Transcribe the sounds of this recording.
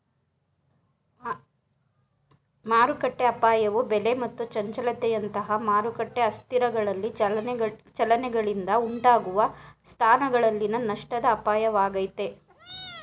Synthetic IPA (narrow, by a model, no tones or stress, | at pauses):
maːɾukɐʈːeɐpaːjɐʋubele̞mɐt̪ːut͡ʃɐɲt͡ʃɐlɐt̪ɛjɐnt̪ɐɦɐmaːɾukɐʈːe̞ɐst̪iɾɐɡɐɭɐlːi | t͡ʃɐlɐnɛɡɐɭind̪ɐuɳʈaːɡuʋɐst̪ʰaːnɐɡɐɭɐlːinɐnɐʂʈɐd̪ɐːpaːjɐʋaːɡɐjt̪e̞